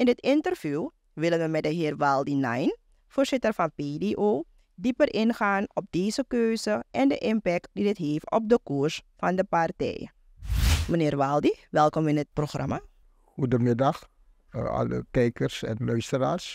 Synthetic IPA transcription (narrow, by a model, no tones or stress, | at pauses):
ʔɪndɪtɪntərvjuː | ʋɪlənʋəmɛt̚dəɦɪːrʋɑlˠdinajn | fʊːrz̥ɪtərfɑnpedeʔoː | dipərʔɪnxaːnɔp̚deːzəkøːzəʔɛndəʔɪmpɛk̚tdidɪtɦeːftɔ̰p̚dəkuɹsfɑndəpartɛ̰j | mənɪːrʋalˠdiʋɛlˠkɔmɪnət̚proxrɑ̰ma | xudəmɪdɑx | ɑ̰lə̰kɛjkərsɛ̰nlœɥstəɾa̰ːrs